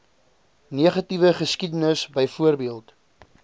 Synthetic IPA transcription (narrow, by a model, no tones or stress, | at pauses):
niəχɐtivəχəskidənəsbəjfuərbiəlˠt